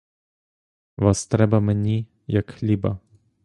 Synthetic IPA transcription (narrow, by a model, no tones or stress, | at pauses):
ʋast̪ɾɛbamɛnʲi | jakxlʲiba̰